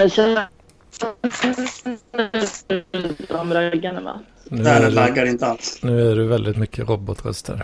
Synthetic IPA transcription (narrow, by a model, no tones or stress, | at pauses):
ɛɕɛ | t̪ɔmɾaɡanəma̰ | nʉːæɛlaɡːaɾɪnt̪əalsnʉːæɖʉʋɛld̪ɪt̪mʏkʰːəɾɔbɔt̪ɾɛ̰st̪ʰə̰ɾ